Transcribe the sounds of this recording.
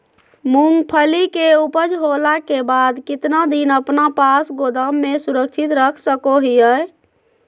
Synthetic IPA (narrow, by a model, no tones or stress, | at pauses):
muŋɡpʰəlikeupəd͡ʒɦolakebad̪kit̪nad̪inəpnapasɡod̪amːesuɾəkt͡ʃʰit̪ɾəkʰsəkoɦijəj